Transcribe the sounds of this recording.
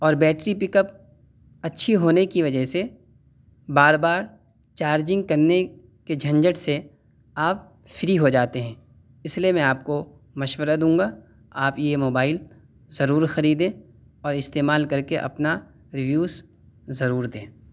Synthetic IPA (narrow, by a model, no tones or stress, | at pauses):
ɔːɾbɛːʈɾipɪkəp̚ | ɐtːʃʰiɦoːnekiʋɐd͡ʒəɦse | baːɾbaːɾ | t͡ʃaːɾd͡ʒɪ̃ŋɡ̚kɐɾne | ked͡ʒʱɐ̃ɲd͡ʒəʈse | aːp̚ | fɪɾiɦod͡ʒaːt̪eɦɛ̃ː | ɪsliemɛ̃aːp̚ko | mɐʃwəɾad̪ũːŋɡa | aːpjemoːbaːɪl | zɐɾuːɾxɐɾiːd̪ẽː | ɔːɾɪst̪eːmaːlkɐɾkeʔɐ̰pna | ɾɪʋjuːz | zɐɾuːɾd̪ẽː